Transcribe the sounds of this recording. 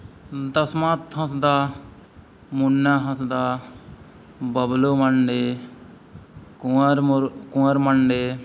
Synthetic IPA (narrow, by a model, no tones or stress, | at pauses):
d̪ɐsmãt̪ɦɐ̃sd̪aː | munːaːɦɐ̃sd̪aː | bɐbloːmɐɳɖe | kuɾkũəɾmɐɳɖeː